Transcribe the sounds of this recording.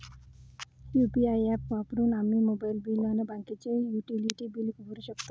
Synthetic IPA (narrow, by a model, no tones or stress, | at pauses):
jupiajɛppapɾunamimobajlbilɔnebaŋkit͡ʃejuʈiliʈibilikubʱuɾiʃɔkt̪ɔ